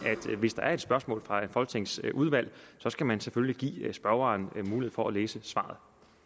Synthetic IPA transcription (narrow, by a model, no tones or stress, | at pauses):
æd̥ʋe̝sd̥ɑ̈æɐe̝d̥sb̥ɶɐsmɔ̰̽ːlfʁɑ̈enfɒ̽lɡ̥t͡sʰe̝ŋsʔuð̞ˠʋæl̰sɒ̽sɡ̥æmænsefølliɡ̥ḭːsb̥ɶɐɑːnmuːlie̝fɒ̽ʔæleːsəsʋɑ̰̈ð̞ˠ